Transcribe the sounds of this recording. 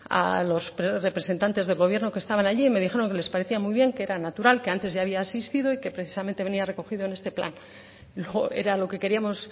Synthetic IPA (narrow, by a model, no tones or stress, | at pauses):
a̰lo̞spɾere̞pɾese̞nt̪ant̪e̞zðelɣo̞β̞je̞ɾno̞kest̪aβanaʎime̞ð̞ixe̞ɾo̞ŋkele̞spaɾe̞θiamujβje̞ŋkeeɾanat̪uɾalke̞ant̪e̞zʝaːβ̞iaːsist̪iðo̞ike̞pɾe̞θi̥sament̪e̞βe̞niare̞ko̞xiðoene̞st̪e̞pla̰n | lee̞̰ɾalo̞ke̞ke̞ɾiamo̞s